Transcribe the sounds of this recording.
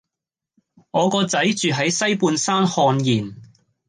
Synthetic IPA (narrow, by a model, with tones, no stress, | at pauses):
ŋɔː˨˧kɔː˧t͡sɐ˨˥jt͡ʃyː˨ɦɐ˨˥jsɐ˥jpuː˧nsaː˥nhɔː˧njiː˨˩n